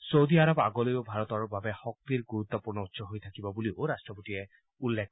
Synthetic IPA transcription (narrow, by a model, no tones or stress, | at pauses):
sowd̪iaɾɔba̰ɡɔlojobʱaɹɔt̪ɔɹubʱabɛxɔk̚t̪iɹɡuɾut̪ːɔpuɹnɔutːsʰɔɦojt̪ʰakibɔbulioɾasʈɹɔpotiɛ | ulːek̚